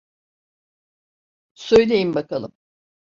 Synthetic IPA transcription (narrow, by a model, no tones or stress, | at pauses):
sø̞jlʲe̞jimbakʰalˠɯ̰m